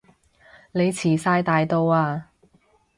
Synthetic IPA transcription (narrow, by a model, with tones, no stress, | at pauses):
le˨˧jt͡sʰiː˨˩saː˧jt̪aː˨˧jt̪o˧waː˧